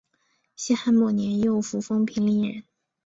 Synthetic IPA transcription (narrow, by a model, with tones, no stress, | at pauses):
ɕɛ˥xa˥nmɔ˥˩njɛ˧˥njo˥˩ʊfu˧˥fɤ˥ŋpʰi˧˥ŋli˧˥ŋɻə̰˧˥n